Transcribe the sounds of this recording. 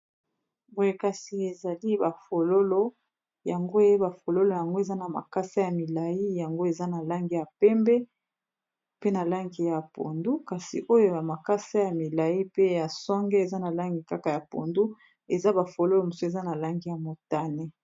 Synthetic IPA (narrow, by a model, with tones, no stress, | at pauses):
bo˨je˨ka˨si˨e˨za˨li˦ba˨fo˨lo˦lo˦ | ja˨ŋɡo˦je˦ba˨fo˨lo˦lo˨ja˨ŋɡo˦e˨za˦na˨ma̰˨ka˦sa˦ja˨mi˨la˨ji˦ja˨ŋɡo˦e˨za˦na˨la˦ŋɡi˨ja˨pɛ˦mbɛ˦ | pe˦na˨la˦ŋɡi˨ja˨po̰˨ndu˦ka˨sḭ˨ʔo˦jo˦ja˨ma˨ka˦sa˦ja˨mi˨la˨ji˦pe˦ja˨sɔ˦ŋɡe˦e˨za˦na˨la˦ŋɡi˨ka˦ka˨ja˨po̰˨ndu˦ | e˨za˦ba˨fo˨lo˦lo˨mo˨so˦e˨za˦na˨la˦ŋɡi˦ja˨mo˨ta˦ne˦